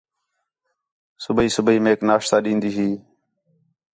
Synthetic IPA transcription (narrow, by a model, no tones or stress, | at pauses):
sʊbiːsʊbiːmeːknaːʃt̪aːɗĩːnd̪iːɦiː